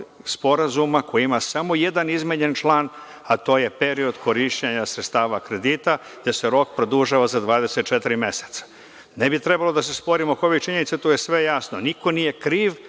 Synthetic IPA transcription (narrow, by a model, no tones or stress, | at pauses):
spo̞ɾazumako̞jiimasamo̞jed̪anizmeɲent͡ʃlˠaːn | at̪o̞ːje̞pe̞ɾio̞d̪ko̞ɾiʃt͡ɕeɲasɾet̪st̪aːʋakɾe̞d̪it̪a | d̪eseɾo̞kpɾod̪uʒaʋazad̪ʋaːd̪e̞set̪̚t͡ʃe̞t̪iɾime̞se̥t̪sḁ | nebit̪ɾe̞balod̪ase̞spo̞ɾimokoʋit͡ʃiɲenit̪set̪oje̞sʋe̞jasno̞niko̞nije̞kɾiːʋ